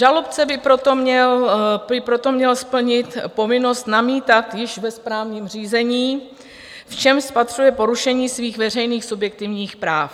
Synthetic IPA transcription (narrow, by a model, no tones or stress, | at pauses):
ʒalop̚t͡sɛbɪpɾot̪omɲɛlbɪpɾo̞t̪o̞mɲɛlspl̩ɲɪt̪po̞vɪno̞st̪namiːt̪at̪jɪʃvɛspɾaːvɲiːmr̝iːzɛɲiː | ft͡ʃɛmʃspat̪r̝̥ujɛpo̞ɾuʃɛɲiːsviːxvɛr̝ɛjniːxsubjɛk̚t̪ɪvɲiːxpɾaːf